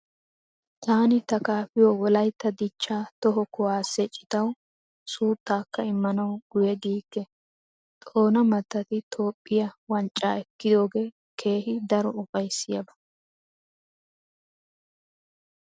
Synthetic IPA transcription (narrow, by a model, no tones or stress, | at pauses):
t̪aːnɪt̪ɐkaːfɪjoːwɔlɐjt̪ːɐd̪ɪt͡ʃːaːt̪ɔɦɔkɔwaːsːɛt͡ʃʼɪ̥t̪ɐw | suːt̪ːaːkːɐɪmːɐnɐwɡ̥ʊjɛd̪iːkːɛ | t̪ʼo̞ːnɐmɐt̪ːɐt̪ɪt̪ʰo̞ːpʼːɪjɐwɐnt͡ʃʼːaːɛkːɪd̪o̞ːɡe̞ː | kʰe̞ːhɪd̪ɐɾɔʊpʼɐjsːɪjɐbɐ̥